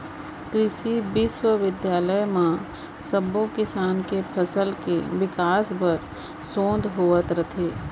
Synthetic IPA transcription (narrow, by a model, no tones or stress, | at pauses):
kɾɪʃibɪswəʋɪd̪jaːləjmã | səbokɪsaːnkepʰɐsəlkḛʋɪkaːsbəɾ | sõːnd̪ɦoːət̪ɾət̪ʰeː